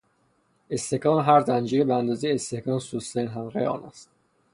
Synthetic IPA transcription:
est̪ehkɒːnɦæɾd̪ænd͡ʒiːɾebeænd̪ɒːzejeest̪e̞hkʰɒːnsusenɦæmʁḛɒ̰ːnæ̰st̪̚

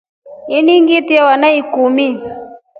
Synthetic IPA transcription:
iniŋɡitiawanaikumi

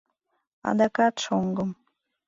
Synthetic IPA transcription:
a̰d̪akat̪ʃoŋɡəm

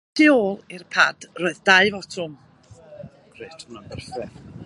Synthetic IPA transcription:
d̥ioːlˠɪrpʰa̰d̥roːɨðdaɨvɔtʰʊm | ɡ̥ɾetʰunabərfɛ

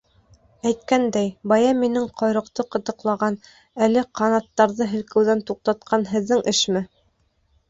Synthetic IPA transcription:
æjt̪̚kænd̪æjbɑjɑminɘŋqʰɑjɾɤ̆qt̪ɤqɤ̆t̪ɤ̆qlˠɑʁɑn | ælɘqʰɑnɑt̪ːɑɾðɤɦɘ̆lkɘ̆wðænt̪uq̚t̪ɑt̪̚qʰɑnɦɘ̆ðːɘŋʔɘʃmɘ

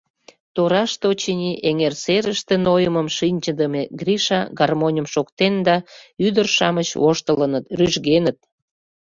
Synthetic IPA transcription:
t̪oɾɑʃt̪ot͡ɕinʲiʔeŋerseɾəʃt̪enojəməmʃinʲt͡ɕəd̪əmeɡrʲiʃɑ̰ɡɑrmonʲəmʃokt̪end̪ɑyd̪ərʃɑmət͡ɕoʃt̪ələnət̪ryʒɣenət̪̚

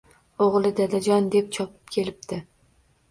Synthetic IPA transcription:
oʁlˠɪd̪ad̪ad͡ʒɒnd̪ep̚t͡ʃʰɒpʰɪ̥pkʲʰe̞lɪp̚t̪ɪ

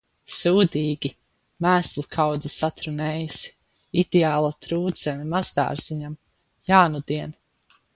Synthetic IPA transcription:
suːd̪iːɡʲi | mæːslˠukʰawd̪zasat̪ɾunɛːjusi̥ | id̪̥ɛaːlˠut̪ɾuːd̪z̥ɛmimazd̪a̰ːɾz̥iɲam | jaːnud̪iɛn

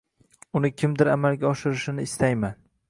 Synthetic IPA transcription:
ʊnɪkʲʰɪmd̪ɪɾamalˠɡʲaɒʃɪɾɪʃɪnɪɪst̪ajman

